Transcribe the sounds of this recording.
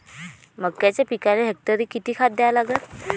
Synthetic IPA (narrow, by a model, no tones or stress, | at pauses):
məɡkjat͡ɕapikaleɦek̚ʈəɾiːkit̪iːkʰat̪̚d̪jalaɡət̪